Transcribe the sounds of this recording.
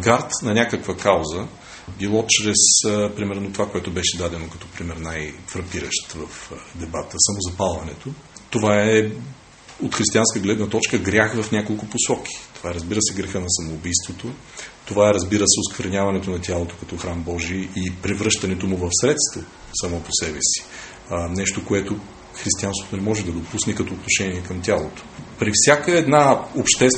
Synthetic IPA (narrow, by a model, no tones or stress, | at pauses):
ɡaɾt̪nɐnʲakəkvəkawzə | bilˠɔt͡ʃɾɛspɾimɛɾnot̪ovakoɛt̪ʊbɛʃɛd̪ad̪ɛnokɐ̥t̪ɔpɾimɛɾnajfɾɐpiɾə̰ʃt̪vɐfd̪ɛbat̪əsamozɐpalˠvɐnɛt̪ot̪ovaɛɛ | ot̪xɾist̪ianskəɡlɛd̪nɐt̪ɔt͡ʃkəɡɾʲaxvɐfnʲakolˠkʊposɔk̟ʰʲi̥t̪ov̥aɛɾəzbiɾəsɛɡɾɛxənɐsɐmoːbijst̪vot̪o | t̪ovaɛɾɐzbiɾəsɛʊskvəɾɛnʲjavɐnɛt̪onɐt̪ʲjalˠot̪o̥kɐt̪ɔxɾambɔʒiəʔipɾɛvɾɤʃt̪ɐnɛt̪omʊvɐfsɾɛt̪st̪vo | sɐmɔposɛbɛsi̥ | nɛʃt̪okoɛt̪o | xɾist̪ianst̪vo̥t̪onɛmɔʒɛd̪ɐd̪opusnɛkɐt̪ɔːt̪noʃɛniɛkɐmt̪ʲjalˠot̪o̥pɾifsʲjakəɛd̪naopʃt̪ɛs